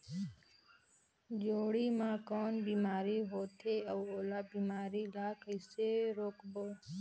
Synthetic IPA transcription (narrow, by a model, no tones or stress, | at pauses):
d͡ʒoːɽiːmãːkoːnbiːmaːɾiːɦoːt̪ʰeːəːoːlaːbiːmaːɾiːlaːkʰɪseːɾoːkboː